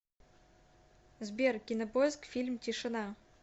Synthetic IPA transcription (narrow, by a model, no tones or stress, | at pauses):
zbʲerkʲinopojskfʲilʲmt̪ʲiʂə̆nɑ